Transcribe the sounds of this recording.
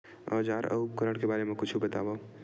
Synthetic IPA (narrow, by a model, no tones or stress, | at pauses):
ɔːd͡ʒaːɾɐukɐɾəɽ̃kebaːɾemẽkʊt͡ʃʰibɐt̪aːʋau